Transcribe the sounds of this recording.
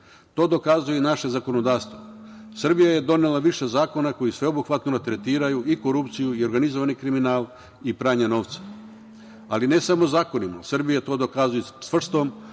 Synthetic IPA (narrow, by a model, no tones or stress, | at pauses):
t̪o̞ːd̪o̞kazujenaʃe̞zako̞no̞d̪aːʋst̪ʋosr̩bijaje̞d̪o̞nelaʋiʃe̞zaːko̞nako̞jisʋe̞obuxʋat̪nodat̪ɾe̞t̪iːɾajuiko̞ɾupt̪sijuio̞ɾɡanizoʋanikɾiminaːlˠ | ipɾaːɲano̞ːʋt̪sḁ | aline̞samozaːko̞nima̰sr̩bijat̪o̞ːd̪o̞kazujusʋr̩st̪o̞m